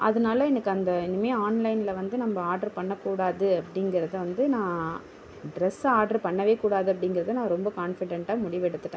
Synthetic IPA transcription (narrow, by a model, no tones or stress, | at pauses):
ʔɐðɯnaːlɐɛnɐkːɯɐnd̪ɐɪnːɯmeːaːnlɐɪnɪlɐʋɐnd̪ɯnɐmːbɐaːɾɖɐɾpɐɳːɐkːuːɽaːðɯɐpːɐɽɪŋɡɪɾɐðɯʋɐnd̪ɯnãː | ɖɾɛsaːɖɐɾpɐɳːɐʋeːkuːɽaːðɯɐp̬ːɐɽɪŋɡɪɾɐðɯnãːɾɔmbɐkaːnfɪɽɛɳʈaːmʊɽɪʋɛɽɯt̪ːɯʈːẽː